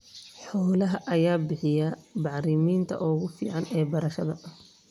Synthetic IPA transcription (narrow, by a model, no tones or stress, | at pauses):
ħɔːlɐɦɐʔɐjaːbɪħɪjɐbɑʕɾɪmiːnt̪ʰɐ̰ʔɔːɣʊfḭːʕɑnɛːbɐɾɐʃɐðɐ